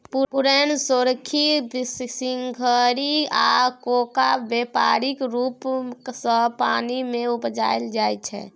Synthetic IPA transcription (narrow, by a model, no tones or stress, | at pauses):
puuɾɛnsoɾəkʰːibssiŋɡʱəɾiakokabepaɾikɾupsə̃panimeupd͡ʒa̰eld͡ʒajt͡ʃʰɛ̰